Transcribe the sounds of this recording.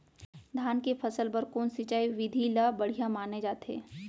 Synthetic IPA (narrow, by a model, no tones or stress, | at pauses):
d̪ʱaːnkepʰɐsəlpɐɾkoːnsɪt͡ʃaːiʋɪd̪ʱilabɐɽ̤ijamaːned͡ʒaːt̪ɦḛː